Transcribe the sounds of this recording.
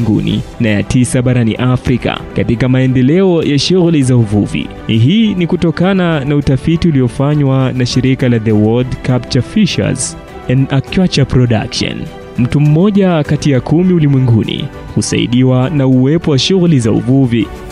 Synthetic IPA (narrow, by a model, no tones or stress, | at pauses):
ŋɡṵnḭnaja̰tisaɓaɾanḭʔafɾika̰katikamaɛndɛlɛɔjaʃuɣulizauvuvḭ | ɦiːnikutɔkananautafitiuliɔfaɲwanaʃiɾikalaðɛwɔldkapt͡ʃafiʃa̰z | ɛnakjat͡ʃapɾɔɗa̰kʃɔ̰n | m̩tum̩mɔʄakatijakʰumiulimwɛŋɡunḭ | kusa̰ḭɗiwanauwɛpɔwaʃuɣulizaṵvuvi